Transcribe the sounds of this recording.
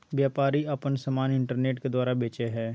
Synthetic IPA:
ʋjaːpaːɾiɐpənsɐmaːnɪ̃ɳʈəɾneːʈked̪waːɾabeːt͡ʃeɦɛː

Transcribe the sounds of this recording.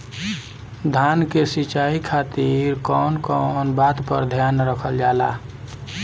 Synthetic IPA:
d̪ʱankesit͡ʃaikʰat̪iɾkɔːnkɔnbat̪pə̰ɾd̪ʱjanɾəkʰəld͡ʒala̰

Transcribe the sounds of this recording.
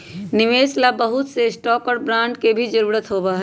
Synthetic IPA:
nɪʋeːslabəɦʊt̪sesʈɔːkɔːɽbɾãːɳɖkebʱid͡ʒɐɾuːɾət̪ɦoːbaɦɛ

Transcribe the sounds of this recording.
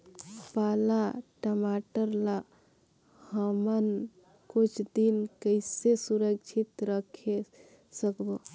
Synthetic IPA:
paːlaʈəmaʈəɾla | həmən | kut͡ʃʰd̪inkəɪsesuɾəkt͡ʃʰit̪ɾəkʰe | səkbo

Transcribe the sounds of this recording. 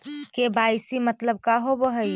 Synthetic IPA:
kebajsimət̪ləb̚kaɦobəɦəj

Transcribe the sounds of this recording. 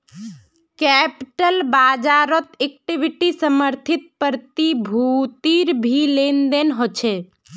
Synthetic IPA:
kɛpiʈəlbad͡ʒaɾɔt̪ek̚ʈibʱiʈisəməɾt̪ʰit̪̚pəɾt̪ibʱut̪iɾbʱilend̪enɦot͡ʃʰɛ

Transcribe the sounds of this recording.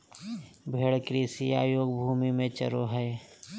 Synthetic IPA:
bʱeːɽkɾiːsiaːjoːɡbʱuːmimẽt͡ʃə̰ɾoɦɛː

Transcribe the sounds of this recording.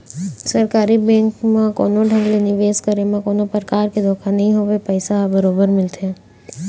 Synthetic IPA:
sɐɾkaːɾibɛ̃ːŋkmãko̰ːnoɖʱɐ̃ŋɡlenɪʋeːskəɾemãkoːnopɾkaːɾked̪ʱoːkʰanɐɦĩɦoːʋepəɪsaɦbɐɾoːbəɾmɪlt̪eɦɛ̃ː

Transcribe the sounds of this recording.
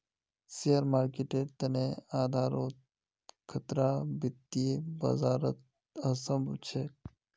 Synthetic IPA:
sijəɾmaːɾkeʈeɖt̪ɐneaːd̪ʱaːɾo | kʰət̪ɾabit̪ːibɐ̰zaːɾət̪̚ | əsəmbt͡ʃʰe

